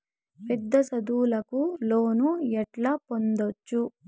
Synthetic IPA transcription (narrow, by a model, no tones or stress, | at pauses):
pɛd̪ːɐsɐd̪uːlɐkuloːnuɛʈlɐpond̪ot͡ʃːu